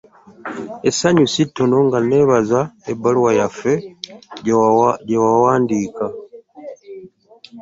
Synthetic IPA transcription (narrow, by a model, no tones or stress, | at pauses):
esaɲusitːonoŋɡane̞βazaebaluwajafe̞ | ɟewawaːndiːka